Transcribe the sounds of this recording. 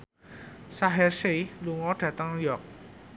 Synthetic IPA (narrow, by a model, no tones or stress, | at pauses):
saɦɛrseluŋɔɖ̥ä̤t̪əŋjɔk̚